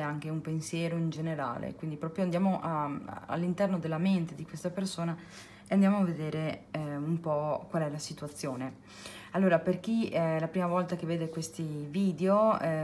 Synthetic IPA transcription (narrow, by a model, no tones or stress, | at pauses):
ɛaŋk̟eumpensjɛːɾoind͡ʒeneɾa̰ːlḛkwind̪ipɾɔːpɾjoand̪jaːmoʔaa̰lːint̪ɛrnod̪elːament̪ed̪ikwest̪apersoːna | eand̪jaːmoavːed̪eːɾeumpɔkwalɛlasit̪uat̪sːjoːne | alːoːɾaperk̟iɛlapɾiːmavɔlt̪akevːeːd̪ekwest̪iviːd̪eo